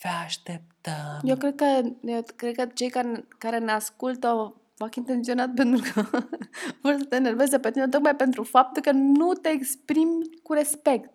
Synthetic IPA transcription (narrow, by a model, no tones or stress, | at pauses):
fɛaʃt̪ɛp̚t̪əjokɾɛd̪̚kəjokɾɛd̪̚kəd͡ʒejkankaɾenəaskult̪o | fakint̪ensionat̪̚pent̪ɾukə | fəɾsat̪eneɾvezd̪əpet̪imɛt̪ok̚majpɛnt̪ɾufap̚t̪ukənnut̪eːkspɾimkuɾespɛkt̪